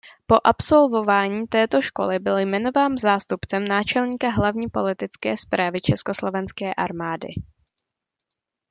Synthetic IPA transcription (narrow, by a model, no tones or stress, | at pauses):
po̞ʔapso̞lvo̞vaːɲiːt̪ɛːt̪o̞ʃko̞̰lɪbɪljmɛno̞vaːnzaːst̪upt͡sɛmnaːt͡ʃɛlɲiːkaɦlavɲiːpo̞lɪt̪ɪt͡skɛːspɾaːvɪt͡ʃɛsko̞slo̞vɛnskɛːʔa̰ɾmaːdɪ̰